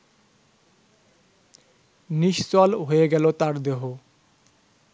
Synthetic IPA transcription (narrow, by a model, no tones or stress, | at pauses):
niʃt͡sɔlɦojeɡɛlot̪aɾd̪eɦo